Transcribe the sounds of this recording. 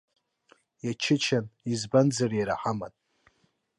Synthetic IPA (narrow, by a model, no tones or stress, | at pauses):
jat͡ʃʰɪt͡ʃʰanizband͡zarjaɾaħama̰tʼ